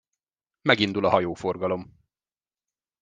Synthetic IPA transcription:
mɛɡind̪ulɒɦɒjoːfo̞rɡɒlo̞m

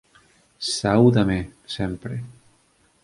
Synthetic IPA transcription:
sawðamesɛmpɾḛ

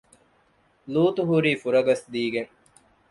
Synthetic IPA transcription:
luːt̪uɦuɾiːfuɾɐɡɐsd̪iːɡeŋ

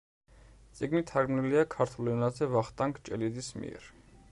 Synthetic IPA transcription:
t̪sʼiɡmit̪ʰaɡmniliakʰaɾt̪ʰulɛnazɛvaχt̪ʼaŋkʰt͡ʃʼɛlid̪ismḭɛ̰ɾ

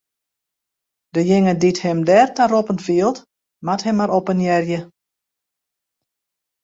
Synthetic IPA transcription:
dəjɪŋədithɪmdɛːrtaropəntfiəlˠt | mathɛmːaɾopənjɛrjə

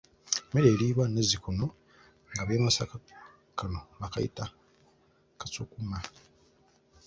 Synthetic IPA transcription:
meɾeːliːβwane̞zikono̞ | ŋɡaβeːmasaka | kano̞βakajḭta | kasokuma

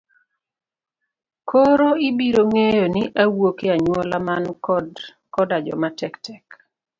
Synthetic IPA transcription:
kʰoɾoibiɾoŋejoniʔawokɪaɲwɔlaman | kɔdad͡ʒɔ̰matɛktʰɛk

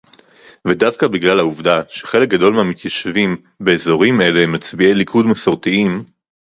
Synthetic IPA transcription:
vedavkabiɡlalhauvdaʃeχe̞lek̚ɡado̞lmamit̪jaʃvim | be̞ːzo̞ʁime̞lemat͡sbielikʰudmasoʁtiim

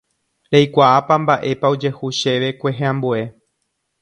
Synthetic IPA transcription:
ɾejkʷaʔapambaʔe̞paod͡ʒe̞huʃe̞ʋe̞kʷe̞ɦẽãmbue̞

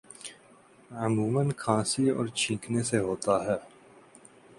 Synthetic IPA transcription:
ʊmũːmənkʰãːsiɔ̰ːɾt͡ʃʰĩːkʰneseɦoːt̪aɦɛː

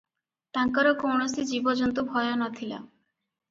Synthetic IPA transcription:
t̪aŋkaɾɔkowɳɔsid͡ʒibɔd͡ʒɔnt̪ubʱɔjɔnɔt̪ʰila̰

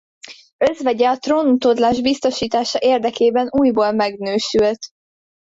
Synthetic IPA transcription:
ø̞zʋɛɟɛɒt̪roːnut̪od̪laːʒbist̪o̞ʃiːt̪aːʃɒʔeːrd̪ɛkeːbɛnuːjboːlmɛɡnøːʃylt̪

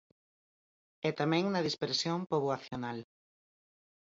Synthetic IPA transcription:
ɛt̪amɛ̃ŋnɐð̞ispeɾsjompoβwaθjonal

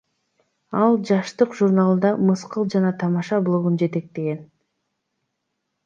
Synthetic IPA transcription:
ɑlˠd͡ʒɑʃt̪ɯqʒurnalˠnd̪ɑmɯsqɯlˠd͡ʒɑnɑt̪ʰɑmɑʃɑblˠo̞ɣund͡ʒe̞t̪e̞k̚t̪e̞ɡe̞n

